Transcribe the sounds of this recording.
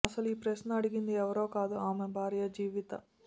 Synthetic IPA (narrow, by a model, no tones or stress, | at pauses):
ɐsɐluiːpɾeʃnɐɐɽiɡind̪iɛʋɐɾo̞ːkaːd̪uaːmebʱaːɾjɐd͡ʒiːʋit̪ɐ